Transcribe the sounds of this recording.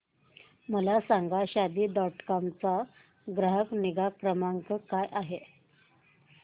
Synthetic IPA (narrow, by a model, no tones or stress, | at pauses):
məlasaŋɡaɕad̪iːd̪ɔʈkɔmt͡sa | ɡɾəɦəkniɡakɾəmaŋkəkajʔaɦe